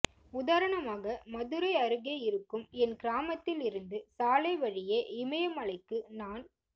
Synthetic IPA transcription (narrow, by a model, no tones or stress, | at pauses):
ʊðaːɾɐɳɐmaːɣɐmɐðɯɾɐɪɐɾɯɣeːɪɾɯkːɯmɛnkɪɾaːmɐt̪ːɪlɪɾɯnd̪ɯsaːlɐɪʋɐɻɪjɐʔɪmɐjɐmɐɭɐɪkːɯnaːn